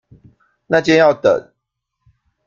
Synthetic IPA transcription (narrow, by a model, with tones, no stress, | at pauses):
na˥˨t͡ɕɛ˥˦njɑ˥˨ʊt̪ə̰˨n